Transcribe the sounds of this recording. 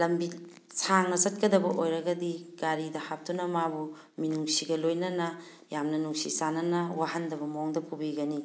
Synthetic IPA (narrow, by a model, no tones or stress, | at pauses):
lɐmbi | saŋnɐsɐt̚kɐdɐbɐʔojɾɐɡɐdiɡ̥aɾidɐhap̚t̪unɐmabu | minuŋsiɡɐlojnɐnɐ | jamnɐnuŋsḭsanɐnɐwaɦɐndɐbɐmoŋdɐpʰubiɡɐni